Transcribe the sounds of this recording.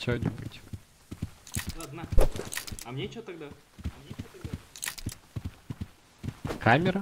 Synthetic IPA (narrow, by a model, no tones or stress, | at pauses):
t͡ɕonʲɪbutʲ | d̪aɐd̪na | ɐmnʲet͡ʃot̪ɐɡd̪a | mnʲeot̪ɐɡ̚d̪a | kʰamʲɪɾə